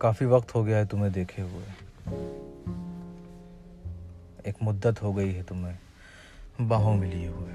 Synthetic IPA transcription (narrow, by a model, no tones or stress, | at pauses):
kaːfiʋɐqt̪ɦoɡɐjaɦɛt̪ʊmẽd̪eːkʰeɦue | eːkmʊd̪ːət̪ɦoɡɐiɦɛt̪ʊmɦẽ | bãːɦõmɪlieɦue